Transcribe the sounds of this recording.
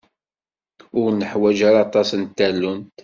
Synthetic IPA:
ʊɾnəħwæd͡ʒaɾɑt̪ˤɑsənt̪ːælːʊnt̪

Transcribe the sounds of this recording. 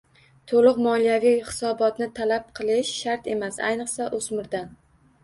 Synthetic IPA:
t̪ʰolˠɨqmɒlijavijχɪsɒbɒt̪nɪt̪ʰalap̚qʰɨlˠɪʃʃaɾt̪e̞masa̰jnɨqsaʔozmɪɾd̪an

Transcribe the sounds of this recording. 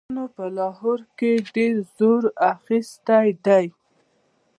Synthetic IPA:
nopəlɑɦoɾkeɖeɾzoɾaxist̪ajɖ̪aj

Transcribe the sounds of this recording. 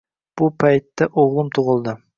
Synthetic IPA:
b̥ʊpʰajt̪ːaʔoʁlˠɨmt̪ʰʊʁɨlˠd̪ɪ

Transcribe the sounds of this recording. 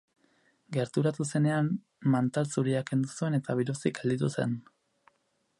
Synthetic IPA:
ɡe̞ɾt̪uɾat̪use̞ne̞am | mant̪alsuɾiake̞nd̪usue̞ne̞t̪aβ̞iɾusikald̪it̪̬use̞̰n

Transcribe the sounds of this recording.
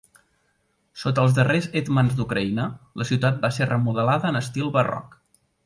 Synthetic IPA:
sot̪əːlˠzd̪ərezet̪manzd̪ukɾəinələsiwt̪at̪̚baserəmuðəlaðəːnəst̪ilˠβərɔ̰k

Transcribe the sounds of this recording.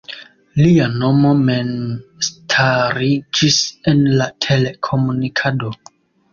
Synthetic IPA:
liano̞mo̞me̞nstʰaɾid͡ʒise̞nlatʰe̞le̞kʰo̞munikʰado̞

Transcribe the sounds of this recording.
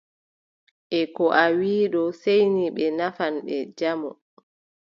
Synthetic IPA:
ʔɛkɔʔawiːɗɔsejniɓɛnafanɓɛd͡ʒamɔ̰

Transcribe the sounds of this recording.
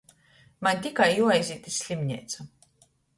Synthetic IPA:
manʲt̪ʲikajjuɔajzʲiːt̪ʲisʲlʲimʲɲʲɛ̰jt̪sa

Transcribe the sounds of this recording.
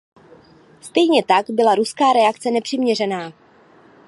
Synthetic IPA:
st̪ɛjɲɛt̪aɡbɪlaɾuskaːɾɛakt͡sɛnɛpr̝̥ɪmɲɛrɛnaː

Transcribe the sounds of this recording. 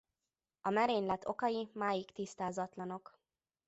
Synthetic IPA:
ɒmɛɾeːnlɛt̪ʰːo̞kɒjimaːjikt̪ist̪aːzɒt̪lɒno̞k

